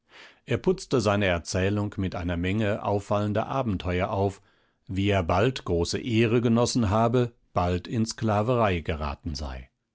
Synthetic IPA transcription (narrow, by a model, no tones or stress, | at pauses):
ʔeːɐpʊt͡stəzaɪnəɛɐt͡sɛːlʊŋkmɪtʔa̰ɪnɐmɛŋəʔa̰ʊfaləndɐ̰ʔaːbm̩tʰɔʏɐʔaʊf | viːeːɐbaltɡ̥ʁoːsə̰ʔeːʁəɡənɔsn̩ɦaːbə | b̥altɪnsklaːvəʁaɪɡəʁa̰ːtn̩za̰ɪ